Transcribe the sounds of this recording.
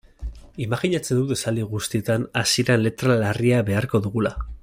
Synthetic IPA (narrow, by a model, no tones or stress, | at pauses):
imaxiɲat͡se̞nd̪uðe̞sald̪iɣ̞ust̪ie̞t̪anasiɾanle̞t̪ɾalariaβe̞aɾko̞ðuɣula